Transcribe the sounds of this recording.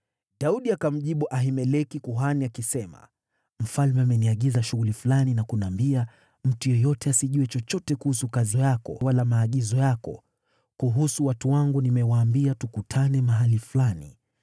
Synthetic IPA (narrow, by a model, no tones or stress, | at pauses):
ɗauɗiakam̩ʄiɓuʔaɦimɛlɛkikuɦaniakisɛma̰ | m̩falmɛamɛniaɠizaʃuɣulifulaninakunaːmbia | m̩tujɔjɔtɛasiʄuɛt͡ʃɔt͡ʃɔtɛkuhusukazɔjakɔ̰walamaːɠizɔjakɔ̰ | kuɦusuwatuwaŋɡunimɛwaːmbiatukutʰanɛmaɦaliflanḭ